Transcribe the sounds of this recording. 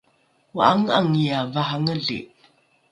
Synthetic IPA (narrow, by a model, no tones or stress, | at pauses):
waʔaŋaŋijavaɦaŋəɮḭʔ